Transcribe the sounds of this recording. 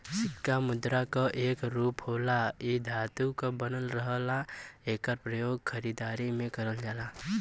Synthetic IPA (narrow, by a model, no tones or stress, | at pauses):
sɪtkamʊd̪ɾakaʔeːkɾuːpɦoːlaid̪ʱaːt̪ukabənəlɾəɦlaeːkəɾpɾəjoːɡkʰəɾiːd̪aːɾimẽkəɾəld͡ʒaːla